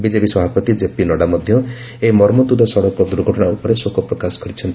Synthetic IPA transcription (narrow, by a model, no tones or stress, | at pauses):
bid͡ʒepisɔbʱapɔt̪id͡ʒepinɔɽamɔd̪ʱjɔ | emɔɾmɔd̪ud̪ɔsɔɽɔkɔd̪uɾɡʱɔʈɔɽ̃aupɔɾesokɔpɾɔkasɔ̥kɔɾit͡ʃʰɔnt̪i